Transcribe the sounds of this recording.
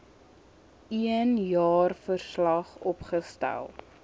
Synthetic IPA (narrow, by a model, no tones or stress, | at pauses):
iənjɑːrfərslɐχɔpχəstæ̰lˠ